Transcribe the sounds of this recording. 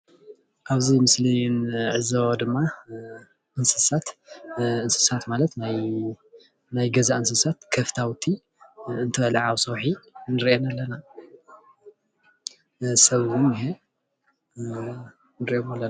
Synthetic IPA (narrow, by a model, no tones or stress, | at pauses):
ʔaβzimɨslijnʕɨzawd̪ɨmːa | ʔɨnsɨsat̪ʔɨnsɨ̥sat̪malɐt̪naj | najɡɐzaɨnsɨsat̪kʰɐft̪ʰawt̪ʰi | ɨnt̪ʰɐɐlʕawsɐwħinɨɾʔenalːɐna | sɐβʊnjɪɦe | nɨɾiʔemalːɐn